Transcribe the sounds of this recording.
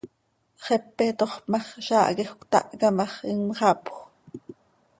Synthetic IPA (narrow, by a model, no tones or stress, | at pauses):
χɛpːet̪oχpmɑχʃɑːʔɡexkʷt̪ɑ̰ʔkɑmɑχiŋmχɑpx